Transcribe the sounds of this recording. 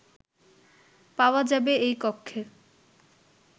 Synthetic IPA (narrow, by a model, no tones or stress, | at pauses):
paoad͡ʑabeejkɔkʰːe